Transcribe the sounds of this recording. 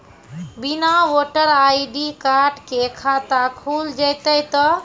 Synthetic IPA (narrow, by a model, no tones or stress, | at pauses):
binawoʈəɾajɖikaɾɖkekʰat̪akʰuld͡ʒəjt̪əjt̪ɔ